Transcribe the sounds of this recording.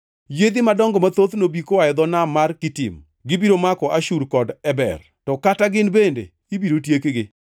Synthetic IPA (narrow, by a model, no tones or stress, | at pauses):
jed̪imadɔŋɡɔmat̪ot̪nobikowajɛd̪ɔnamarkɪtɪ̰m | ɡɪbiɾomakɔʔaʃuɾkɔdɛbɛ̰r | tɔkataɡɪnbendḛ | ibiɾotjekɡɪ